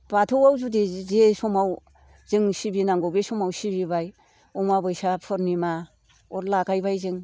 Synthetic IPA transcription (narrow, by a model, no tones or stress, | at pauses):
b̥atʰɔwawzudizesɔmaw | z̥ɯŋsibinaŋɡɔbesɔmawsibibaj | ɔmabɯjsapʰɯɾnima | ɔɾlaɡajbajzɯŋ